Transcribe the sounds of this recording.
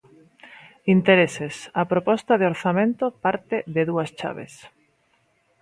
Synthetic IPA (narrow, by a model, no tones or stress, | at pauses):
int̪eɾesesapɾopɔst̪ɐðeoɾθamẽnt̪opaɾt̪eðeðuɐst͡ʃa̰βḛs